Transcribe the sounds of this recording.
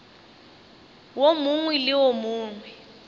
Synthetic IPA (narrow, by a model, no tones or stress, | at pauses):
womuŋwɛlɪwomuːŋwɛ